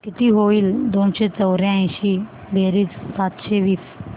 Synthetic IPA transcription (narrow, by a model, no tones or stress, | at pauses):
k̪it̪iɦoiːld̪onɕet͡səwɾjãɕi | bʱeɾiːt͡ssat̪ɕeʋiːs